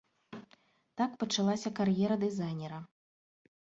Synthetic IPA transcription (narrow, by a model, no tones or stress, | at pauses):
t̪akpɐt͡ʂalˠasʲɐkarjɛɾɐd̪ɨzajnʲɛɾɐ